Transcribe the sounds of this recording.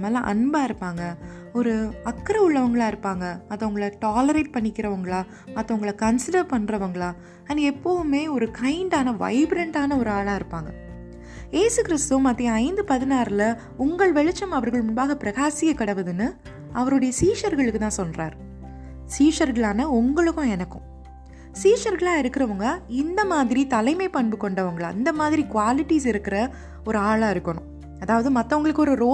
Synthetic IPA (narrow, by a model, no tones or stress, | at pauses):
mɐːlɐʔɐ̰nbaːɪɾɯpːaːŋɡɐ | ɔɾɯɐkːɾɐʊɭːɐʋɐŋɡɐɭaːɪɾɯpːaːŋɡɐɐðːɐ̃ʊŋɡɐɭɐʈaːlɐɾeːʈ̚pɐɳːɪkːɪɾɐʋɐŋɡɐɭaː | ɐt̪ːɐ̃ʊŋɡɐɭɐkɐnsɪɖɐɾpɐɳːɾɐʋɐŋɡɐɭaː | ɐnːɛpːoʋɯmeːɔɾɯkɐɪɳɖaːnɐʋɐ̰ɪbɾɛɳɖaːnɐɔɾɯaːɭaːɪɾɯpːaːŋɡɐ | jeːsɯkɪɾɪst̪ɯmɐt̪ːɪjɐ̃ɐɪnd̪ɯpɐðɪnaːɾlɐ | ʊŋɡɐɭʋɛɭɪt͡ʃːɐmɐʋɐɾɣɐɭmʊɳbaːɣɐpɪɾɐɣaːsɪkːɐkːɐɽɐʋɐðɯnːɯ | ɐʋɐɾɯɽɐjɐsiːʂɐɾɣɐɭɯkːɯt̪ãːsɔnra̰ːɾ | siːʂɐɾɣɐɭaːnɐʊŋɡɐɭɯkːʊ̃ɛnɐkːʊ̰̃ | siːʂɐɾɣɐɭaːɪɾɯkːɪɾɐʋɐŋɡɐɪnd̪ɐmaːðɪɾit̪ɐlɐɪmeɪpɐɳbɯkːɔɳɖɐʋɐŋɡɐɭɐ̰nd̪ɐmaːðɪɾikʊʋaːlɪʈːisɪɾɯkːɪɾɐ | ɔɾɯaːɭaːɪɾɯkːɐɳʊ̃ | ɐðaːʋɐðɯmɐt̪ːɐʊŋɡɐɭɯkːɯɔɾɯɾoː